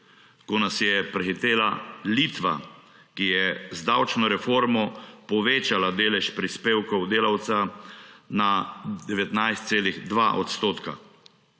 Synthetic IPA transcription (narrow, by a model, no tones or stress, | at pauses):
kɔnasjɛpɾɛxit̪eːlalit̪ʋa̰ | kijɛzd̪awt͡ʃnɔɾɛfoːɾmɔpɔʋeːt͡ʃalad̪eːlɛʃpɾispeːwkɔwd̪eːlawt̪sa | nad̪ɛʋɛt̪najst̪seːlixd̪ʋa̰ʔɔt̪st̪oːt̪ka̰